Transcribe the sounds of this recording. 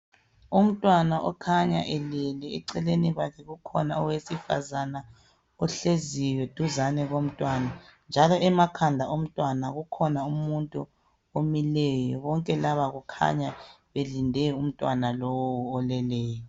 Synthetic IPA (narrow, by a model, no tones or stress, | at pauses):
um̩tʼwanaʔɔkʰaɲaʔɛlɛlɛɛǀɛleniɣakʰɛɣukʰɔnaɔwesifa̰zana | ɔɬezijɔd̥ʱuzanɛɣom̩tʼwanand͡ʒʱalɔɛmakʰandʱaʔom̩tʼwanaɣukʰɔnaummuntʼu | omilɛjɔβɔŋkʼɛlaβaɣukʰa̰ɲaβelindʱɛum̩tʼwanalowwuɔlɛlɛːjɔ